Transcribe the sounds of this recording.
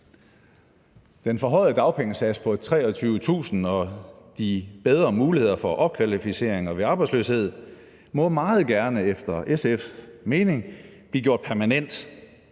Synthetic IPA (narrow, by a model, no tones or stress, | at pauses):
d̥enfɒ̽ɦɒ̽ɪ̰ð̩ˠd̥ɑ̈ʊpʰeŋəsæd̥spʰɒ̽t͡sʰʁɛ̰ːɒt͡sʰyːʊət͡sʰṵːsn̩ɒ̽d̥ib̥eð̞ˠʁɐmuːlihe̝ð̞̰ˠɐfɒ̽ʔɒ̽b̥̚kʰʋælifise̝̰ɐeŋɒʋe̝ɑ̈ːb̥ɑ̈ɪsløshe̝ð̞̰ˠ | mɔ̽mɑ̈ːð̞̩ˠɡ̥æɐnəefd̥ɐʔesefme̝ːne̝ŋb̥liːɡjo̝ɐ̰d̥pʰæɐmænen̰d̥